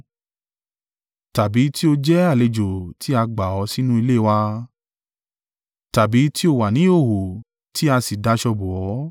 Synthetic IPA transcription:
ta˨bi˨˦ti˦o˧d͡ʒɛ˦a˦˨le˧d͡ʒo˨tʰi˦a˧ɡ͡ba˨ɔ˨˧˦si˦nũ˦i˧le˦˨wa˧ | ta˨bi˨˦ti˦o˧˨wa˨nĩ˨˦o˦˨ɦo˨ | ti˦a˧si˨da˧˦ʃɔ˧bo˨ɔ˨˦

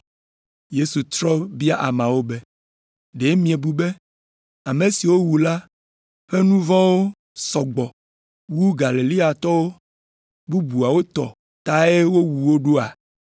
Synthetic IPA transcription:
je˦su˨t̪ɾɔ˦bi˦a˦ʔa̰˨mã˨wo˦be˦ | ɖe˨˦mĩ˦e˨bu˨be˦ | a˨me˨si˨wo˦wu˨la˦ | ɸe˦nũ˦vɔ̃˦wo˦ | sɔ˨ɡ͡bɔ˨ | wu˦ɡa˨li˨li˦a˨t̪ɔ˦wo˦ | bu˦bu˨a˨wo˦t̪ɔ˨ | t̪a˦e˦wo˦wu˨wo˦ɖo˦a˨

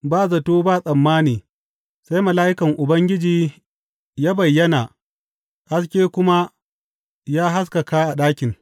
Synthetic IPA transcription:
baː˦zɐ˨toː˦baː˦˨sʼɐ˨mːaː˦niː˨ | sa˦jmɐ˨laː˦ʔɪ˦kɐ˨ŋʔʊ˨bɐ˦ŋɡʲɪ˦d͡ʒiː˨ | jaː˦bɐ˨jːɐ˦naː˨ | ha˦skʲeː˦kʷʊ˦ma˦ | jaː˦ɦa˦s̬ka˨kaː˦ʔa˨ɗaː˦kʲɪ˨ŋ

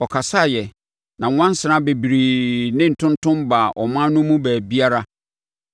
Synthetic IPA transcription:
ɔ˨kʰa˨sa˦˨jɛ˨ | nã˨˦wã˦n̩˦sɪ˨ɾã˦be˨bi˨ɾi˨nɪ̃˦n̩˨tʰʊ̃˦ntʰʊ̃˦mba˨ʔɔ˨mã˦nʊ̃˦mũ˦bæː˨bi˦a˦ɾa˦

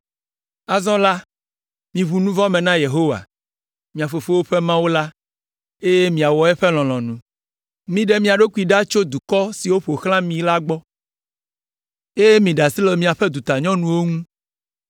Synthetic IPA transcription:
a˨zɔ̃˦la˦ | mĩ˨βu˨nũ˦vɔ̃˦mẽ˨nã˦je˨ɦo˦wa̰˨ | mĩ˨a˨fo˨fo˦wo˦ɸe˦mã˦wo˦la˦ | e˦je˦mĩ˨a˨wɔ˨ɛ˦ɸe˦l̃ɔ̃˨l̃ɔ̃˨nũ˨ | mĩ˦ɖe˦mĩ˦a˨ɖo˦ku˦i˨ɖa˦t͡ʃo˦d̪u˨kɔ˦si˨wo˦ɸo˨xlã˦mĩ˨la˦ɡ͡bɔ˦ | e˦je˦mĩ˨ɖa˨si˦lɔ˨mĩ˨a˨ɸɛ˦d̪u˨t̪a˨ɲɔ̃˦nũ˨wo˦ŋũ˦

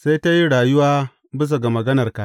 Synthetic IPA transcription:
sa˦jta˦ji˦ɽaː˨jʊ˦waː˦ | bɪ˦s̬ɐ˨ɡa˨mɐ˨ɡɐ˦nɐ˨rka˨ʔ

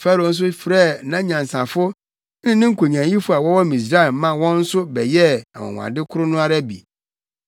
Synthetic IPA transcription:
fa˦ɾo˨n̩˦s̬ʊ˦fɾɛ˦˨nã˦ɲã˨n˨sã˨fʊ˦ | nɪ̃˦nɪ̃˦ŋ̩˦kʰo˨ɲ˨ã˨ji˦fʊ˦a˨wɔ˦wɔ˦mĩ˨s̬ɾa˦ɛ˨mã˦wɔ̃˦n̩˦sʊ˦bɛ˨jɛ˦a˨wɔ̰̃˨wʷã̰˨dɪ˦kʰʊ˦ɾʊ˦nʊ̃˦a˦ɾa˦bḭ˨

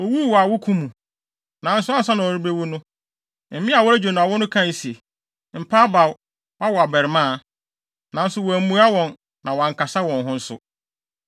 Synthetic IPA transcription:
o˨wu˦˨wɔ˨a˨wʊ˦kʰũ˦mũ˨ | nã˨˦n̩˦sʊ˦a˦sa˦nã˨ɔ˨ɾi˦bɾe˦wʊ˦nʊ̃˦ | m̩˨˦mɪ̃˦a˨wɔ˦æ˦d͡ʑᶣe˨nʊ̃˨a˨wʊ˦nʊ̃˦kʰã˦˨˦si˨e˨ | m̩˨pʰa˦ba˨w | wa˦wɔ˨a˨bɛ˨ɾɪ˨mã˦˨ | nã˨n̩˦sʊ˦wɔ˨æ˨m̩˦mũ˨a˦wɔ̃˨n | nã˨wa˨ŋ˨kʰa˨sa˦wɔ̃˨nɦʊ̃˦n̩˦sʊ̰˦

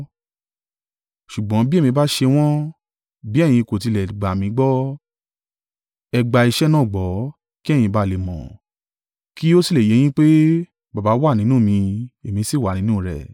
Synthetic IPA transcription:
ʃu˨ɡ͡bɔ̃˨˦bi˦e˦˨mĩ˧ba˦ʃe˧w̃ɔ̃˦ | bi˦ɛ˦˨j̃ĩ˧ko˨t̬i˧lɛ˨ɡ͡ba˨mĩ˧˦ɡ͡bɔ˦ | ɛ˧ɡ͡ba˨i˧ʃɛ˦nãː˦˨ɡ͡bɔ˨˦ | ki˦ɛ˦˨j̃ĩ˧ba˦le˨mɔ̰̃˨ | ki˦o˦si˦˨le˨je˨˦j̃ĩ˦k͡pe˦ | ba˨ba˨˦wa˦˨nĩ˦nũ˦˨mĩ˧e˨mĩ˧si˦˨wa˨nĩ˨˦nũ˦˨ɾɛ̰˨

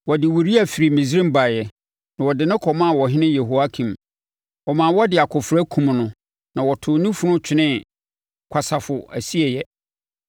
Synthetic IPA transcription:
wɔ˨dɪ˨wu˨ɾi˦æ˨fi˨ɾi˨mĩ˨zɾĩ˦m˦ba˨jɛ˨ | nã˨wɔ˨dɪ˨nɪ̃˦kʰɔ˨mã˦˨wɔ˨ɦɪ̃˦nɪ̃˦je˨ɦo˨a˦kʰĩ˨m | wɔ˨mã˨wɔ˦dɪ˨a˨kʰʊ˨fɾæ˦kʰũ˨m˨nʊ̃˨ | nã˨wɔ˨tʰʊ˨nĩ˦fʊ˦nʊ̃˦t͡ɕʰᶣɪ˦nɪ̃˦ | kʰa˨sa˨fʊ˨æ˨si˦ɛ˨jɛ˦

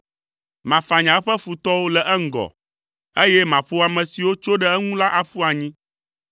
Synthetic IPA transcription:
mã˨fa˨ɲã˨˦ɸɛ˦fu˨t̪ɔ˦wo˦lɛ˨ʔɛ˦ŋ̩˨ɡɔ̰˨ | e˦jɛ˦mã˨ɸo˦a˨mɛ̃˨si˨wo˦t͡ʃo˦ɖɛ˦ɛ˦ŋũ˦la˦ʔa˨ɸu˦a˨ɲĩ˦

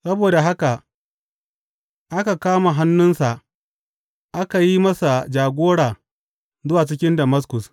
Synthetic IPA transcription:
sɐ˦boː˨da˨ɦa˦ka˨ʔ | ʔa˦ka˨kaː˦ma˨ɦa˦nːʊ˦nsa˨ | ʔa˦ka˨ji˦mɐ˦sa˨d͡ʒaː˨ɡʷoː˦ɽaː˨ | zʊ˦waː˨t͡ʃɪ˦kʲɪ˦ndɐ˨mɐ˦skʊ˨s

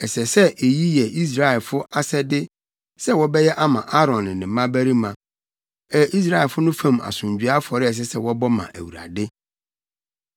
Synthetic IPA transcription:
ɛ˨sɛ˨sɛ˦ʔe˨ji˦jɛ˨i˦s̬ɾa˦˨ɛ˨lfʊ˦ʔa˦sɛ˦dɪ˦ | sɛ˦wɔ˦bɛ˦jɛ˦ʔa˦mã̰˨ʔa˦ɾɔ̃˨nɪ̃˨nɪ̃˨m˦mã˦bæ˦ɾi˦mã˨ | ɛ˦ʔi˦s̬ɾa˦˨ɛ˨lfʊ˦nʊ̃˦fã˦˨ma̰˨sʊ̃˨ɲ˨d͡ʑᶣɥa˦fɔ˨ɾɪ˦ɛ˨s̬ɛ˦sɛ˦wɔ˦bɔ˦mã̰˨ʔæ̰˨wu˨ɾa̰˨dɪ˦

